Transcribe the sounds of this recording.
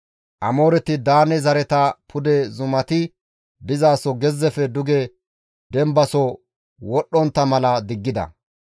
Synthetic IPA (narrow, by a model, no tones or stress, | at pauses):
ʔɐmo̞ːɾɛt̪ɪd̪aːnɛzɐɾɛt̪ɐpʰʊd̪ɛzʊmɐt̪ɪ | d̪ɪzaːsɔɡɛzːɛfɛd̪ʊɡɛ | d̪ɛmbɐsɔ | wɔɗːɔnt̪ːɐmɐlɐd̪ɪɡːɪd̪ɐ̰